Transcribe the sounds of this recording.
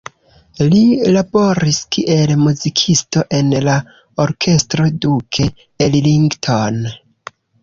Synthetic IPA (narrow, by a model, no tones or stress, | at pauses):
lilabo̞ɾiskiʔe̞lmuzikʰisto̞ʔe̞nla | o̞ɾkʰe̞stɾo̞dukʰe | elliŋɡtʰon